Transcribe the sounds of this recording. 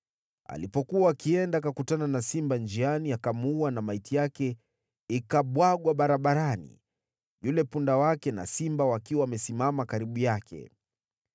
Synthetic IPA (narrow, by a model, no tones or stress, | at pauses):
a̰lipɔkuaːkiɛndakakutananasimband͡ʒianiakamuwanamaitijakɛ | ikaɓwaɠwaɓaɾaɓaɾanḭ | julɛpundawakɛna̰simbawakiwawːmɛsimamakaɾiɓujakʰɛ̰